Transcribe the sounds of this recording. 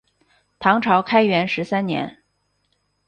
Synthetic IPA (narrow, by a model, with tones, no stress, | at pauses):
t̪ʰɑ˧˥ŋʈ͡ʂʰɑ˧˥ʊkʰa˥ɪɥɛ˧˥nʂɻ̩˧˥sa˥nnjɛ̰˧˥n